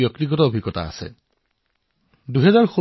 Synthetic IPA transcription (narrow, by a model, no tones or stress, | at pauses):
jɔktiɡɔtɔobʱiɡɔta̰ːsɛ̰ | duɦɛzaɹxo